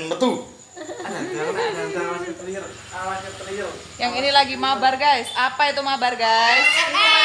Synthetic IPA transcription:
nmət̪u | aaaaaɲɪt̪əlir | awaɲɪt̪əliɪr | jaŋinilaɡimabarɡajsapait̪umabarɡajs

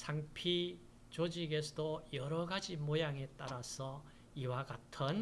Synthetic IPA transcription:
sʰaŋpʰi | t͡ɕod͡ʑiɡe̞sʰʌdojʌɾʌɡad͡ʑimojaŋe̞t͈aɾasʰʌ | iwaɡatʰɯn

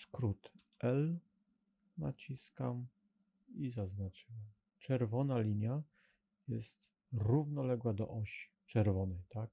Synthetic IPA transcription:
skɾut̪ | ɛl | nat͡ɕiskam | izaznat͡ʂɨwam | t͡ʂɛɾvɔnalʲiɲja | jɛst̪ | ɾuvnɔlɛɡwad̪ɔ̰ʔɔɕi̥t͡ʂɛɾvɔnɛjt̪ak̚

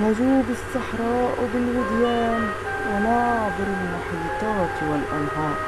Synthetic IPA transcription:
naʒuːbɪsˤːɑħɾˤɑːʔwɪbɪlwɪd̪jaːn | wɪnaʕb̪ɪɾɪlmʊħiːt̪ˤɑːt̪wɪlʔanɦɑːʔ

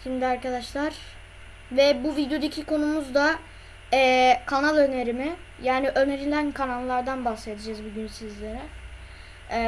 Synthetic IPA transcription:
ʃimd̪ʲiaɾkad̪aʃlˠaɾ̥ | vɛbuvid̪jo̞d̪acʰikʰo̞numuzd̪a | ɛːkʰanalˠø̞ne̞ɾimɪ | jaːniʔø̞ne̞ɾilʲænkʰanalˠːaɾd̪anbased̪ʰɯd͡ʒazbuɟynsizlʲe̞ɾɛ

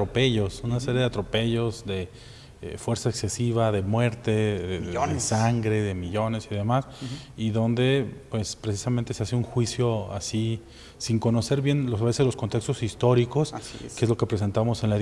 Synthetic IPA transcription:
ɾope̞ʝo̞sunaseɾjeðe̞at̪ɾo̞pe̞ʝo̞zðe̞ | fwe̞ɾsaekse̞siβaðe̞mwe̞ɾt̪e̞ðeonesaŋɡɾe̞ðe̞miʝo̞ne̞siðe̞masiðo̞nd̪e̞pwe̞spɾe̞s̬i̥samẽnt̪e̞seaseuŋxwisjo̞asi | siŋko̞no̞se̞ɾβjenlosaβesezlo̞skont̪e̞kst̪o̞sist̪o̞ɾiko̞sskeezlo̞ke̞pɾe̞s̬ent̪aβamo̞se̞nlae

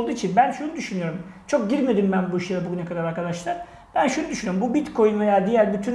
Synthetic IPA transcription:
ld̪uːit͡ʃʰinbænʃunud̪yʃynyjo̞ɾumt͡ʃʰo̞k̚ɟiɾmed̪imbænbuiʃɯlˠabuɟynɛkʰad̪aɾaɾkʰad̪aʃlˠaɾ̥ | b̥ænʃunud̪yʃynyjoumbubit̪kʰo̞junvejaːd̪ijæɾbyt̪ʰyn

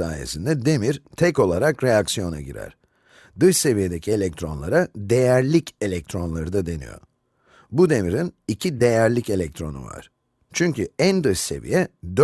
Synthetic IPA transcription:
a̰ːje̞̰sind̪ɛd̪e̞miɾ̥t̪ʰɛco̞lˠaɾakɾe̞jaksijo̞na̰ɟḭɾæ̰ɾ̥ | d̪ɯʃse̞vije̞d̪e̞cʰie̞lʲɛc̚t̪ʰɾo̞nlˠaɾad̪e̞jæɾlʲice̞lʲɛc̚t̪ʰɾo̞nlˠaɾɯd̪ad̪e̞nḭjo̞̰ | bud̪e̞miɾinicʰid̪e̞jæɾlʲice̞lʲɛc̚t̪ɾo̞̰nṵva̰ɾ̥ | t͡ʃʰyɲcyænd̪ɯʃse̞̰vḭjɛd̪

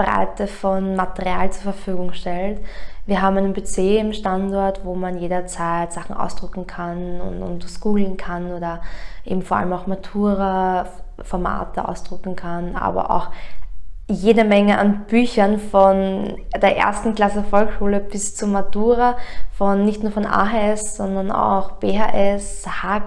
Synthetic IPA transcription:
bʁa̰ɪtəfɔnmatəʁia̰ːlt͡suːɐfɐfyːɡʊŋʃtɛltviːɐɦaːbm̩æɪnənbet͡seːɪmʃtantɔɐtvoːmanjeːɾɐt͡saɪtz̥aχn̩ʔa̰ʊsd̥ʁʏkŋ̩kʰanʊ̰nʊ̰ntskuːl̩n̩kʰanoːdɐʔḛːbm̩fɔɐa̰ləmaʊxmatʰuːʁa | fɔɐma̰ːtəʔa̰ʊsd̥ʁʏkŋ̩kʰanʔa̰ːbɐ̰ʔa̰ʊx | jeːdəmɛŋəʔa̰nb̥yːçɐnfɔnd̥eːɐʔḛɐstn̩kl̥asəfɔlkʃuːləb̥ɪst͡sumaduːʁafɔnːɪçtnuːɐfɔnʔa̰ːɦaɛsz̥ɔndɐna̰ʊxb̥eːɦaʔɛshaː

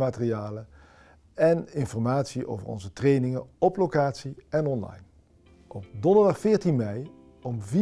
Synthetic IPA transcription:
maːtrijaːlə | ɛnɪnfɔɹmaːtsiʔo̰wvə̰ɹɔ̰nzətrejnɪŋəɔplowkaːtsiɛnɔnlɑ̰jn | ʔɔpdɔndəɹdɑχfɪːɹtinmɛj | ɔmvi

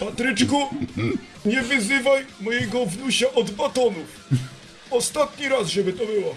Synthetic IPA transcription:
pat̪ɾɘt͡ʂku | ɲɛvʲizɪvajmɔjɛɡɔvnuɕaʔɔd̪bat̪ɔnu | ɔst̪at̪ɲiɾasʐɛbɘt̪ɔbɘwɔ

